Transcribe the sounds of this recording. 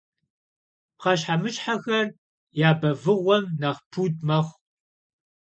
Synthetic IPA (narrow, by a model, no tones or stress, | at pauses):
χɐɕħamɨɕʼħaxɐr | jaːbɐvɨʁʷɔmnɐʁpʰuːd̚mɐχʷ